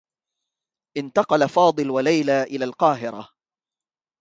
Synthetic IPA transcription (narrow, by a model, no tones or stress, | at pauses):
ʔɪnt̪ɑqɑlafɑːd̪ˤɨlwalajlaːʔɪlaːlqɑːɦɪɾa̰